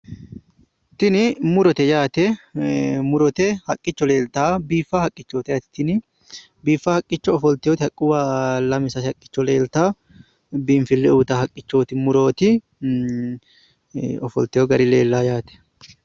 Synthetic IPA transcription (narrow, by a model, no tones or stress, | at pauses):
t̪ɪnɪmʊɾɔt̪ɛjaːt̪ɛ | mʊɾɔt̪ɛhɐkʼːɪt͡ʃːɔle̞ːlt̪aːbiːfːahɐkʼːɪt͡ʃːoːt̪ɛjaːt̪ɪ̥t̪ɪnɪ | biːfːahɐkʼːɪt͡ʃːɔːfɔlt̪ɪjɔt̪ɪhɐkʼːɪwaːlɐmɪsɐhɐkʼːɪ̥t͡ʃːɔle̞ːlt̪aː | biːmfɪlːɛuːt̪ɐhɐkʼːɪt͡ʃːo̞ːt̪ɪmʊɾo̞ːt̪ɪ | ɔfɔ̰lt̪ɛjɔɡɐɾɪleːlːaːjaːt̪ɛ̥